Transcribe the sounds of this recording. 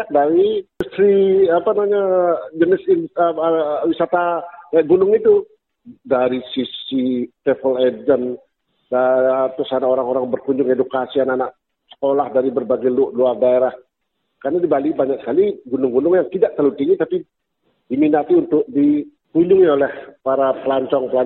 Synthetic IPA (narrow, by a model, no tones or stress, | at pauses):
adawiust̪ɾiapanamaɲad͡ʒənɪsinəwisat̪aaʔɡunʊŋit̪u | daɾisisit̪ɛfəled͡ʒən | ət̪ʊsanakoɾaŋoɾaŋbərkuɲd͡ʒʊŋedukasiananaʔ̚ | sə̥kolahdaɾibərbaɡalʊʔluardaeɾah | karnadibalibaɲaksə̥kaliɡunʊŋɡunʊŋjaŋt̪idaʔ̚t̪əlut̪iŋɡit̪api | diminat̪iunt̪ʊk̚di | kuɲd͡ʒʊŋiolɛhpaɾapəlaɲt͡ʃɔŋpəla